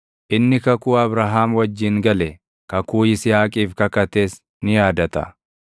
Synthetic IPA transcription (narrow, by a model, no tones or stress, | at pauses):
ʔɪnːɪkɐkuːɐbɾaːɦaːmwɐd͡ʒːɪŋɡɐlɛ | kɐkuːɪsɪjaːkʼiːfkɐkɐt̪eːs | nɪjaːd̪ɐt̪ɐ̰